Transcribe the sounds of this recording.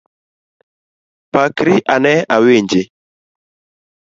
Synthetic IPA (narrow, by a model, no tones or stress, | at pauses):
pakɾiʔanɛaweɲd͡ʒɪ